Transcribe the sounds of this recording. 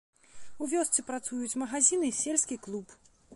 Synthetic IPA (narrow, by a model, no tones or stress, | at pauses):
uvʲɔst̪sɨpɾat̪sujut͡sʲmɐɣazʲinɨsʲelʲsʲkʲiklˠup